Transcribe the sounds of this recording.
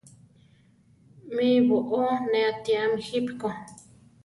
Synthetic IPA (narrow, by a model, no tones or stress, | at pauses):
miβoʔoneat̪iamixipko